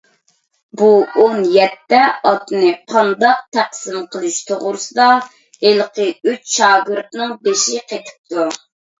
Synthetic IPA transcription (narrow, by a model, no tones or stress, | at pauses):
buonjɛt̪ːɛɑt̪ɨnɨqʰɑnd̪ɑq̚t̪ʰæqsɨmqʰəlˠɨʃt̪ʰoʁɾɨsɨd̪ɑ | elqʰəyt͡ʃʃɑːɡɨɾt̪nɨŋbeʃiqet̪ʰɪ̥p̚t̪ʰu